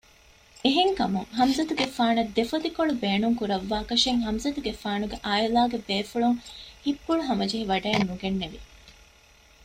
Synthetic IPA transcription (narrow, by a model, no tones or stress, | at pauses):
eɦeŋkɐmuŋɦɐmzɐt̪uɡefaːnɐd̪ːefɐt̪ikoɭubeːnuŋkuɾɐʋːaːkɐʃeŋɦɐmzɐt̪uɡefaːnuɡeʔaːilaːɡebeːfuɭuŋhipːuɭuɦɐmɐd͡ʒeɦiʋɐɖɐːnːuɡenːeʋi